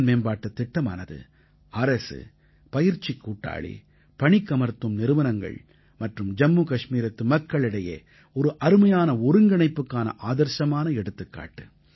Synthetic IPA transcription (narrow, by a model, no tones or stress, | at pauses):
nmeːnbaːʈːɐt̪ːɪʈːɐma̰ːnɐðɯ̰ | ɐɾɐsɯ̰ | pɐjɪɾt͡ʃːikːuːʈːa̰ːɭḭ | pɐɳɪkːɐmɐɾt̪ːɯmnɪɾɯʋɐnɐŋɡɐ̰ɭ | mɐʈrɯmd͡ʒɐmːuːkɐʂmiːɾɐt̪ːɯmɐkːɐɭɪɽɐjḛː | ɔɾɯʔɐɾɯmɐjaːnɐʊɾɯŋɡɐɳɐɪpːɯkːaːnɐ̰ʔaːðɐɾʃɐmaːnɐɛɽɯt̪ːɯkːa̰ːʈːɯ